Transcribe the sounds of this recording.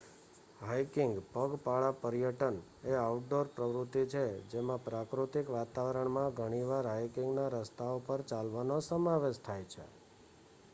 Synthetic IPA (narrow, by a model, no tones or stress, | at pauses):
ɦajkɪŋɡpəɡpaɭapəɾjəʈən | eauʈ̚ɖoɾpɾəʋɾut̪ːit͡ʃʰed͡ʒemãpɾakɾut̪ikʋat̪aʋəɾəɳmãɡʱəɽ̃iʋaɾɦajkɪŋɡnaɾəst̪ʰaopəɾt͡ʃalʋanosəmaʋeʃt̪ʰajt͡ʃʰḛ